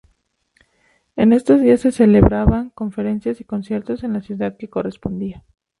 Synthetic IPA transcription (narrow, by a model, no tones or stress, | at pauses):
e̞ne̞st̪o̞zðiasːe̞se̞le̞βɾaβaŋko̞ɱfe̞ɾe̞nsjasiko̞nsje̞ɾt̪o̞se̞nlasjuðaðke̞ko̞re̞spo̞nd̪ia